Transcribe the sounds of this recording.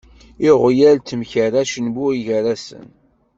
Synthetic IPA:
iʁjælt̪ːmçəɾaʃənbuiʝəɾæsə̰n

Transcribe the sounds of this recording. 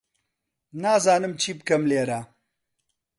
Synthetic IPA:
naːzaːnɨmt͡ʃʰiːbɨkɐmleːɾa

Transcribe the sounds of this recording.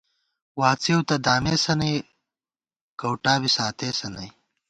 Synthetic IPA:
waːt͡siwt̪ɐd̪aːmeːsɐnɐj | kɐwʈaːbisaːt̪eːsɐnɐj

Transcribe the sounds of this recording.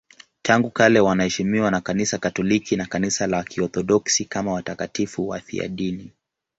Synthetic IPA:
tʰaŋɡukalɛwanahɛʃimiwanakanisakatɔlikinakanisalakʰiɔθɔɗɔksikamawatakatifuwa̰θḭa̰ɗini

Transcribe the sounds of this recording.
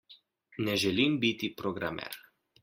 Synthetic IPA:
nɛʒɛlimbit̪ipɾoɡɾa̰mɛ̰ɾ

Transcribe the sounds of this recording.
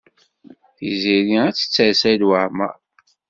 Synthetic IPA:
θḭziniæt͡sːə̥t͡sːəsæd̪wəʕmæ̰

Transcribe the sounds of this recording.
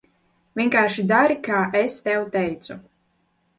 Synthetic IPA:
vʲiɛkaːʃid̪aɾikaːʔɛst̪ɛwt̪ɛjt̪su

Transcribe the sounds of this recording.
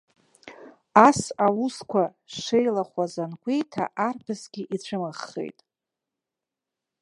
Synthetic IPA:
asawuskʷʰa | ʂejlaχʷazanɡʷʼe̞jtʰa̰ʔarpʰɨsɡʲiʔit͡ɕʷʰɨmaχːḛjtʼ

